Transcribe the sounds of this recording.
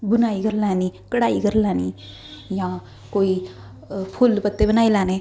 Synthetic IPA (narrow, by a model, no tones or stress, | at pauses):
bunaiɡəɾlanikəɽaːiɡəɾlaːni | jã | koi | pʰulpət̪ːebənajlane